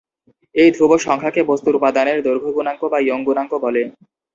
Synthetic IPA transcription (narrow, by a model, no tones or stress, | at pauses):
ejd̪ʱuboʃɔŋkʰakebost̪uɾupad̪aneɾd̪oɾɡʱoɡunaŋkobajoŋɡunaŋkobɔle